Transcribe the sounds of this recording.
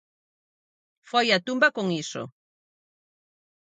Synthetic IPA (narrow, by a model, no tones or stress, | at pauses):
fojat̪umbakoŋiso̰